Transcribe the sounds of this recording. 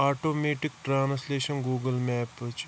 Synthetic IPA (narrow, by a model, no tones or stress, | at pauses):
aːʈoːmeːʈikʈɾaːnsleːʃɐnɡuːɡəlmɛːpət͡ʃ